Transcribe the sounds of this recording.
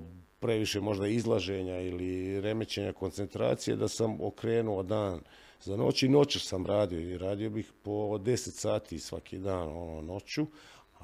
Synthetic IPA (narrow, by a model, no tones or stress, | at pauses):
pɾe̞ʋiʃe̞mo̞ʒd̪aizlˠaʒe̞ɲailiɾe̞me̞t͡ɕe̞ɲako̞nt̪se̞nt̪ɾa̰ːt̪sijḛd̪asamokɾe̞ːnuod̪aːn | zano̞̰t͡ɕino̞t͡ɕusamɾaːd̪ioiɾaːd̪io̞bixpo̞d̪e̞set̪saːt̪ʰisʋa̰kʰḭd̪aːno̞nono̞t͡ɕu